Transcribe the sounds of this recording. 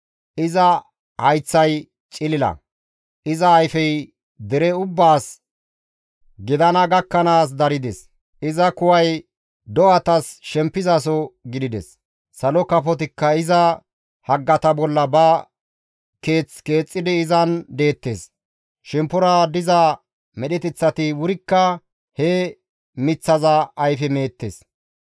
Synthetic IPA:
ʔɪzɐ | hɐjt͡sːɐj | t͡ʃʼɪlɪlɐ̰ | ʔɪzɐːjfɛj | d̪ɛɾɛʊbːaːs | ɡɪd̪ɐnɐɡɐkːɐnaːs̬d̪ɐɾɪd̪ɛs | ʔɪzɐkʊwɐj | d̪ɔʔɐt̪ɐsʃɛmpːɪzɐs̬ɔɡɪd̪ɪd̪ɛ̰sː | ɐlɔkɐfɔt̪ɪkːɐɪzɐ | hɐɡːɐt̪ɐbɔlːɐbɐ | keːt͡ske̞ːt͡sʼːɪd̪ɪːzɐnd̪e̞ːt̪ːes | ʃɛmpʊɾad̪ɪza | mɛɗɛt̪ɛt͡sːɐt̪ɪwʊɾɪkːɐ | hɛ | mɪt͡sːɐzɐːjfɛme̞ːt̪ːḛs

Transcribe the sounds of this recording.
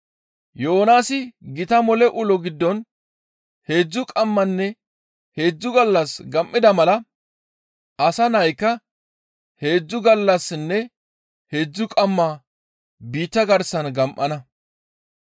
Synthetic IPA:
jo̞ːnaːsɪɡɪt̪ɐmɔlɛʔʊlɔɡɪd̪ːɔn | he̞ːd͡zːʊkʼɐmːɐnːɛ | he̞ːd͡zːʊɡɐlːɐsɡɐmʔːɪd̪ɐmɐlɐ | ɐsɐnɐjkːɐ | he̞ːd͡zːʊɡɐlːɐsnːɛ | he̞ːd͡zːʊkʼɐmːaː | biːt̪ːɐɡɐɾsɐnɡɐmʔɐnɐ

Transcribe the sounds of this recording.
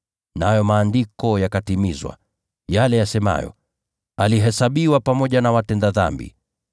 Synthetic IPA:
najɔmaːndikɔjakatimizwa̰ | jalɛjasɛma̰jɔ̰ | aliɦɛsaɓiwapamɔʄanawatɛndaða̰mbḭ

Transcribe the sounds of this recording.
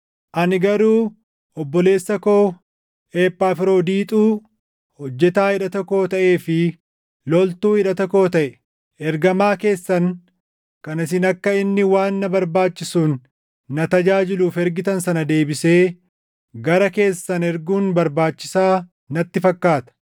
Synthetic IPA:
ʔɐnɪɡɐɾuː | ɔbːɔle̞ːsːɐkoː | eːpːaːfɪɾo̞ːd̪iːt̪ʼuː | hɔd͡ʒːɛt̪aːɪᶑɐt̪ɔkːo̞ːt̪ɐʔe̞ːfɪ | lɔlt̪uːɪᶑɐt̪ɔkːo̞ːt̪ɐʔɛ | ɛɾɡɐmaːke̞ːsːɐn | kɐnɪs̬ɪnɐkːɐɪnːɪwaːnːɐbɐɾbaːt͡ʃːɪsuːnː | ɐt̪ɐd͡ʒaːd͡ʒɪluːfɛɾɡɪt̪ɐnsɐnɐd̪e̞ːbɪse̞ː | ɡɐɾɐke̞ːsːɐnɛɾɡuːnbɐɾbaːt͡ʃːɪsaː | nɐt̪ːɪfɐkːaːt̪ɐ̥

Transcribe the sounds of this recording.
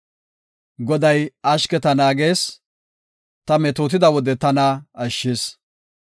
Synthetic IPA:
ɡɔd̪ɐjɐʃkɛt̪ɐnaːɡe̞ːs | t̪ɐmɛt̪oːt̪ɪd̪ɐwɔd̪ɛt̪ɐnɐɐʃːeːs

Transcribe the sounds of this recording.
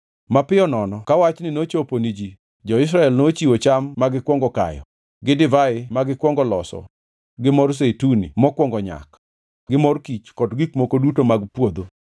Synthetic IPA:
mapɪɔnɔnɔkawat͡ʃnɪnot͡ʃoponid͡ʒi | d͡ʒɔɪs̬ɾaɛlnot͡ʃiwot͡ʃamːaɡɪkwɔŋɡɔka̰jɔ̰ | ɡɪdɪvaɪmaɡɪkwɔŋɡɔlɔsɔ̰ | ɡɪmɔrs̬etunḭmɔkwɔŋɡɔɲa̰k | ɡɪmɔrkit͡ʃkɔdɡikmokodutomaɡpwod̪o

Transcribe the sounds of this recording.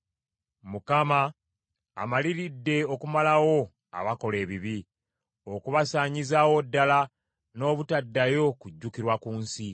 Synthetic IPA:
mukama̰ː | maliɾidːe̞o̞kumalawo̞ | a̰βako̞le̞ːβiβi | o̞kuβasaːɲizawo̞dːala | no̞ːβutadːajo̞kuɟːukiɾwakuːnsi

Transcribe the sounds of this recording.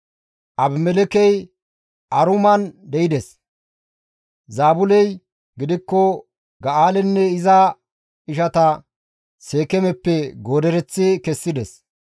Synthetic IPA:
ʔɐbmɛlɛkɛj | ʔɐɾʊmɐnd̪ɛjɪd̪ɛs | zaːbʊlɛj | ɡɪd̪ɪkːɔ | ɡɐʔaːlɛnːɛɪzɐ | ɪʃɐt̪ɐ | seːkɛmɛpːɛɡo̞ːd̪ɛɾɛt͡sːɪkɛsːɪd̪ɛs

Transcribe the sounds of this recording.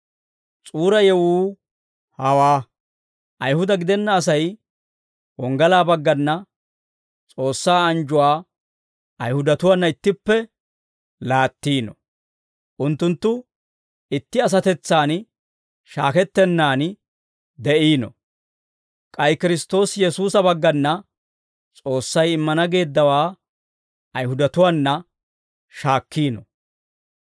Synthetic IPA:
t͡sʼuːɾɐjɛwuː | hɐwaː | ʔɐjhʊd̪ɐɡɪd̪ɛnːɐːs̬ɐj | wɔŋɡɐlaːbɐɡːɐnːɐ | t͡sʼo̞ːsːaːɐnd͡ʒʊwaː | ɐjhʊd̪ɐt̪ʊwanːɐɪt̪ːɪpːɛ | laːt̪ːiːnɔ̰ | ʔʊnt̪ːʊnt̪ːʊ | ɪt̪ːɪɐs̬ɐt̪ɛt͡sːaːn | ʃaːkɛt̪ːɛnːaːn | d̪ɛʔiːnɔ̰ | kʼɐjkɪɾɪst̪o̞ːsjɛsuːsɐbɐɡːɐnːɐ | t͡sʼo̞ːsːɐjɪmːɐnɐɡe̞ːd̪ːɐwaː | ɐjhʊd̪ɐt̪ʊwaːnːɐ | ʃaːkːiːnɔ̰

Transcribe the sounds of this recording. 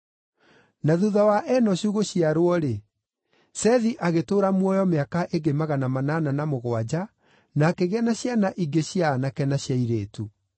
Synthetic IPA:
naðuðawaʔɛnɔɕuɣoɕiaɾwɔɾe | sɛðiʔaɣetoːɾamwɔjɔmeakaʔeɡemaɣanamanananamoɣwad͡ʑa | nakeɣɛnaɕjanaʔiɡeɕjaːnakɛnaɕjaiɾeːtu

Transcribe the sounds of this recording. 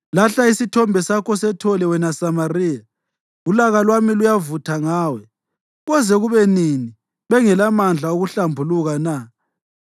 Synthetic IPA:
laɬaisitʰɔmbʱɛsakʰɔsɛtʰɔlɛwɛnasamariːja | ulaɣalwamilujavutʰaŋaːwɛ | ɣɔzɛɣuβɛnini | βɛŋɛlamand͡ɮʱauɣuɬambʱuluɣana

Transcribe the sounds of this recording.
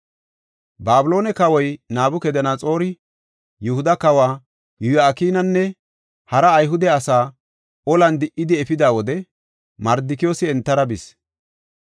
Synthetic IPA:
baːbɪlo̞ːnɛkɐwɔjnaːbʊkɛd̪ɛnat͡sʼo̞ːɾɪ | jʊhʊd̪ɐkɐwaː | jʊjaːkiːnɐnːɛ | hɐɾɐːjɦʊd̪ɛɐsaː | ɔlɐnd̪ɪʔɪd̪ɪɛfɪd̪aːwɔd̪ɛ | mɐɾd̪ɪkɪjo̞ːsɪɛnt̪ːɐɾɐbɪs

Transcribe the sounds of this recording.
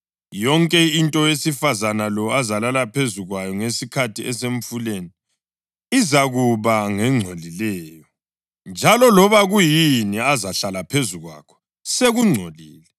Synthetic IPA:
jɔŋkʼɛintʼɔjesifazanalɔazalalapʰezuɣwajɔŋesikʰatʰiɛseɱfuleni | izaɣuβaŋɛŋ͡ǀʱolilɛːjɔ | nd͡ʒʱalɔlɔβaɣujiniazaɬalapʰezuɣwa̰kʰɔ̥ | seɣuŋ͡ǀʱoliːlɛ

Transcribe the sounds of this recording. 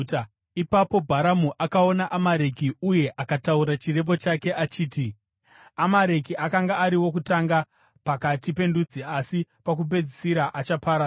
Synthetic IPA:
ipapo̞bʱaɾamuʔakao̞naʔamaɾe̞kiuje̞ʔakatauɾat͡ʃire̞mbo̞t͡ʃake̞ʔat͡ʃiːti | amaɾe̞kiʔakaŋɡaːɾiwo̞k̬utaŋɡa | pakatipe̞ndud͡ziasipak̬ub̬e̞d͡zisiɾaʔat͡ʃapʰaɾa

